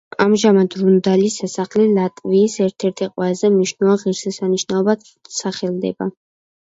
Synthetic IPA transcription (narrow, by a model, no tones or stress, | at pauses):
amʒamad̪ɾund̪alisasaχlilat̪ʼviːsɛɾt̪ʰɛɾt̪ʰiqʼwɛzɛmniʃnuvaʁiɾsɛsaniʃnaɔba | saχɛlˠd̪ɛ̰ba